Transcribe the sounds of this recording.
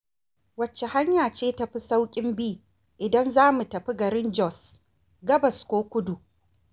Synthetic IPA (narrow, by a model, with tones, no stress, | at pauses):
wɐ˨t͡ʃːe˨ha˦ɲjaː˨t͡ʃeː˦tɐ˨ɸi˦sa˦wkʲʼɪ˦mbiː˦˨ | ʔɪ˨dɐ˦nzaː˦mu˨tɐ˨ɸi˦ɡɐ˨ɾɪ˦nd͡ʒɔ˦˨s | ɡɐ˦bɐ˨skʷoː˦kʷʊ˦du˨